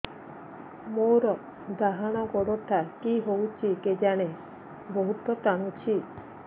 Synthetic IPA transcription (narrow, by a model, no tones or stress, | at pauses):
moɾɔ | d̪aɦaɽ̃ɔɡɔɽɔt̪ʰakiɦowt͡ʃʰiked͡ʒaɽ̃e | boɦut̪ɔt̪aɽ̃ut͡ʃʰi